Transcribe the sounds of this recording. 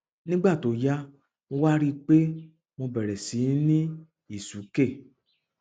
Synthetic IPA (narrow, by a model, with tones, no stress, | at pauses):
nĩ˦ɡ͡ba˦˨to˨ja˦ | mo˧wa˦ɾi˦k͡pe˦ | mõ˧bɛ˨ɾɛ˨si˨˦nĩ˦ | i˦˨su˨˦ke˦˨